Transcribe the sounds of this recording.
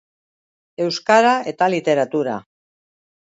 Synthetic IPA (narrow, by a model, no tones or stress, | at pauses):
e̞wskaɾaʔe̞t̪alit̪e̞ɾat̪uɾa̰